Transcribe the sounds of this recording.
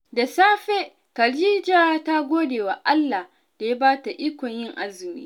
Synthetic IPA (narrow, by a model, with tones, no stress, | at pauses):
da˨saː˦ɸe˦ | kɐ˨ɾd͡ʒiː˦d͡ʒaː˦ta˦ɡʷoː˦deː˨wa˨ʔa˦lːa˨h | d̥a˨ja˦baː˦ta˨ʔiː˦kʷɔ˨ɲjɪ˦ŋʔa˦zɪ˨mḭː˦